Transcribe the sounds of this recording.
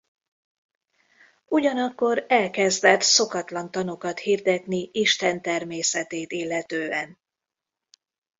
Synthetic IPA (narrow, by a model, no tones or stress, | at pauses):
uɟɒnɒkːo̞ɾɛlkɛzd̪ɛt̪so̞kɒt̪lɒnt̪ɒnukɒt̪hiːrd̪ɛt̪niiʃt̪ɛnt̪ɛrmeːsɛt̪eːt̪ilːɛt̪øːɛn